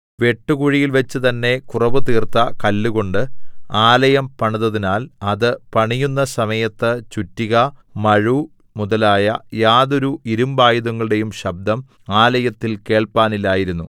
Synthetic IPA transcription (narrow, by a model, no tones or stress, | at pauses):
ʋe̞ʈːuɣuɻijilʋɐt͡ɕːɨt̪ɐnːe̞kurɐʋɨt̪iːrt̪ɐkɐlːuɣo̞ɳɖɨaːlɐjɐmpɐɳuðɐðinaːlɐðɨpɐɳijunːɐsɐmɐjɐt̪ːɨt͡ɕutːiɣɐmɐɻu | muðɐlaːjɐjaːðo̞ɾuiɾumbaːjiðuŋːɐɭɨɽe̞jumɕɐb̚d̪ʱɐm | aːlɐjɐt̪ːilke̞ːɭpaːnilaːjiɾunːu